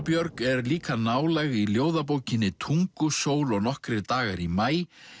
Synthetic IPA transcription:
pjœɾkɛɾliːkanaːwlɛɣiljoːwðap̬oːwcɪnːɪt̪ʰuŋkʏsoːwlɔɣnɔhkɾɪɾt̪aːɣaɾimaːj

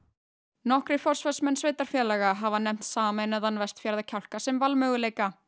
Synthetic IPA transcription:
nɔhkɾɪfɔr̥svœsmɛnsveːjt̪aɾ̥fjɛːlɛɣaɦavanɛm̥t̪saːmenaðanvɛst̪fjaɾðacʰawl̥kasɛmvalmœːɣʏleːjka

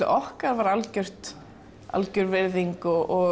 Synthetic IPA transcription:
ɪ̰ʔɔhkaðvaɾalcœr̥t̪ | a̰lcʏɾvɪɾðiŋkʏʔɔ

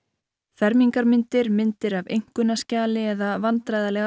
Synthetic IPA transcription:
fɛɾmiŋkaɾmɪnt̪ɪɾmɪnt̪ɪɾavejŋ̥kʏnascaːlɪɛðavant̪ɾajðalɛːɣ

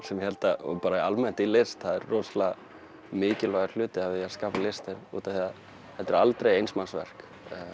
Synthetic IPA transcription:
sɛmjɪhɛlt̪apaːɾaialmɛn̥t̪ilɪst̪haðɛɾːɔːsla | mɪːcɪlaɣaɾ̥l̥ʏːt̪ɪavɪaskaːpalɪst̪ɪɾṵːt̪aθiað | hɛt̪ɛɾalt̪ɾejejnsmansvɛ̰r̥kː

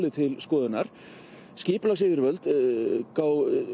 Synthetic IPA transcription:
lɪt̪ʰɪlskɔːðɪnaɾ̥ | scɪːplaɣsɪːvɪɾvœlt̪kaːw

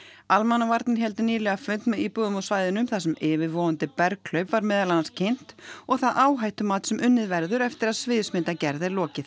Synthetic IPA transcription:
almanavaɾt̪nɪɦɛlt̪ɪniːlɛɣafʏnt̪mipʏɣʏmɔsvaːjðɪnʏmθas̬ɛmɪːvɪɾvɔːʏnt̪ɪpɛɾkʰl̥œɥpvaɾmɛːðalananscʰejn̥t̪ɔɣθaðʔaːwɦajht̪ʏmaːt̪sɛmʔʏnːɪðvɛɾðʏɾɛft̪ɪɾaðsvɪːðsmɪnt̪acɛɾðɪlɔːcɪθ

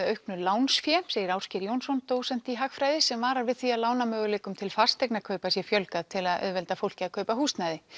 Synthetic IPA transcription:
œɥhknʏlaːwnsfjɛseːjɪɾawscɪɾjownsɔnt̪oːwsɛn̥t̪iɦakfɾaːjðɪsɛmvaːɾaɾvɪðθiaðlaːwnamœːɣʏleːjkʏmt̪ʰɪlfḁst̪eknakʰœɥpasjɛfjœlkaðt̪ʰɪlaðœ̰ːðvɛlt̪afowl̥cɪakʰœːɥpahust̪najðɪ

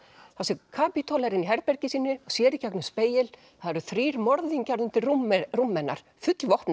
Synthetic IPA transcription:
θasɛkʰaːpit̪ʰolɛɾɪniɦɛɾpɛɾcɪsiːnɪɔɣsjɛːɾɪcaknʏmspeːjɪl | θaðɛɾʏθɾiːɾmɔɾðiɲcaɾðʏnt̪ɪrumrumːɛnːa̰ɾ̥fʏt̪lvɔht̪na

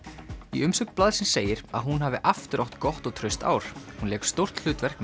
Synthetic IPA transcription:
iʏmsœk̪plaːðsɪnseːjɪɾaðɦunɦaːvɪʔaft̪ʏɾawht̪kɔht̪ɔɣt̪ʰɾœɥst̪a̰ːwɾ̥hunɛːkst̪owr̥t̪l̥ʏːt̪vɛr̥k̚n

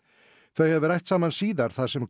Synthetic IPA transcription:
θœɥhɛvʏɾajht̪saːmansiːðaɾ̥θaðsɛm

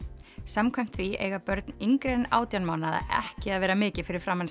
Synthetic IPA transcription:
samkʰvajm̥t̪θviḛːɣapœɾt̪niŋkɾeːna̰ːwt̪janmawnaða̰ɛ̰hcɪaðvɛːɾamɪːcɪfɪɾɪɾ̥fɾamːans

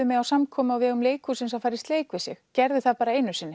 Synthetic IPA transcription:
ʏmɛawsamkʰɔːmʏawvɛːɣʏmleːjkʰusɪns̬awfajɾɪst̪leːjkvɪsjɛxcɛɾðɪθaðpaːɾaeːjnʏsɪnːɪ

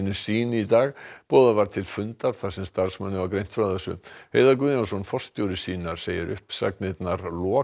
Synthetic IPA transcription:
nʏsiːnɪit̪aːɣpɔːðavaɾ̥t̪ʰɪlfʏnt̪aɾ̥θḁsɛmst̪aɾ̥smɛnːʏvaɾkɾejnt̪fɾawθɛsːʏ̰hejðaɾkvʏðɪnasɔnfɔst̪jowɾɪ̥siːnaɾ̥seːjɪɾʔʏ̰hpsa̰knɪt̪naɾlɔː

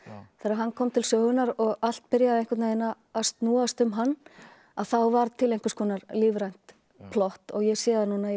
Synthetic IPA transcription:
θɛːɾaɦankʰɔmt̪ʰɪlsœːɣʏnaɾɔɣal̥t̪̚pɪɾjaðɪejŋkvɛɾt̪naðejna | ast̪nuːast̪ʏmɦanː | aðθawvaɾt̪ʰɪlejŋkḁskʰvɔːnaɾliːvɾajn̥t̪ | pʰlɔht̪ɔɣjɛɣsjɛːðanuːna

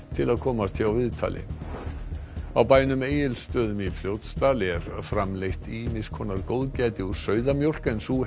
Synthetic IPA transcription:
t̪ʰɪlaðkʰɔːmast̪ʰɪawvɪðt̪ʰa̰ːlʔɪ̰ | awpaːjnʏmeːjɪlst̪œːðʏmifljoːwt̪st̪aːlɪɛɾ̥fɾamlejht̪imɪskʰɔnaɾkoːwðcɛːt̪ɪuɾ̥sœːɥðamjowr̥kɛnsu

